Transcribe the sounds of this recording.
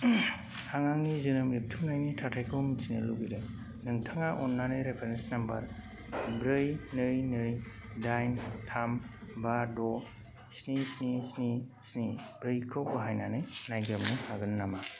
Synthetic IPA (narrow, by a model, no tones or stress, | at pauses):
haŋaŋnizɯnɯmip̚tʰunajnitʰatʰajkʰɯwmisinɯluɡidɯ | nɯŋtʰaŋaʔɔnːanɯjɾepʰeɾensnambɐɾ | bɾɯjnɯjnɯjdajntʰambadɔ | snisnisnisnib̥ɾɯjkʰɯwbɦajnanɯjnajɡɾɯmnɯhʰaɡɯnːama